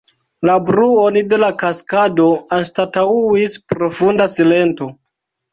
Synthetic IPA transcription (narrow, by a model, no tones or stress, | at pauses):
labɾuonide̞lakaskado̞anstatauispɾo̞fundasile̞nto̞